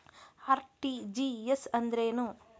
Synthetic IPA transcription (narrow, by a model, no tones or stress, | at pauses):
aːɾʈid͡ʒijesɐnd̪ɐɾeːnu